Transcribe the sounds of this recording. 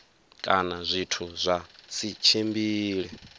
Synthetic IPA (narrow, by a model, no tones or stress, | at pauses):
kʼanazʷitʰuzʷasit͡ʃʰembiːɺɛ